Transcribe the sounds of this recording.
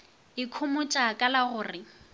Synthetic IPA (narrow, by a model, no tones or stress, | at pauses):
ɪkʰʊmʊt͡ʃʼakʼalaɣʊːrɪ